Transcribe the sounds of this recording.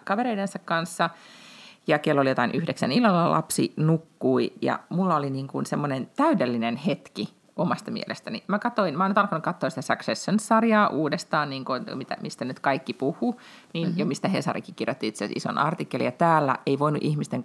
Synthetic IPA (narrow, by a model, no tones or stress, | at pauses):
kɑʋeɾeidensɑkkɑnsːɑ | jɑkelːolijot̪ɑinʔyhdeksæ̰nilːɑlːɑlʔɑ̰psḭnukːuijɑ̰mulːɑoliniːŋkunsemːonent̪æydelːinenhet̪ki | omɑst̪ɑmḭḛlʔḛst̪ænḭmækɑt̪oinmæoːnyt̪ɑlkɑnukɑt̪ːoːsit̪æsɑksesːonsɑrjɑːʔuːdest̪ɑːnniːŋkonmit̪æ̰mist̪ænyt̪kɑikːipuhˑu | niːnjomist̪æhesɑ̰rḭkikirjot̪ːiit̪seæsḭso̰nɑ̰rt̪ikːelḭjɑt̪æːlːæ̰eiʋoinṵʔihmist̪eŋ